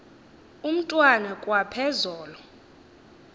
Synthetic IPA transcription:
um̩tʼwanɛkʼwapʰɛzɔːlɔ

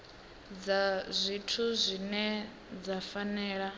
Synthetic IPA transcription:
d͡zazʷitʰuzʷinɛ | d͡zafanɛːɺa

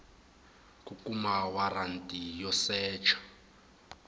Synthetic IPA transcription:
kʼukʼumawarantʼijɔsɛːt͡ʃʰḁ

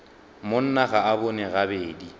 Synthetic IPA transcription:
mon̩naɣaabʊnɛɣabeːdi

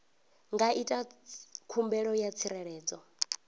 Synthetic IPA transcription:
ŋɡaʔitʼakʰumbɛɺɔjat͡sʰiɾɛɺɛːd͡zʼɔ

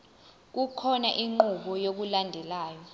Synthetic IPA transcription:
k̬ukʰɔnaʔiŋ͡ǃuɓɔjok̬ulandʱɛlaːjɔ

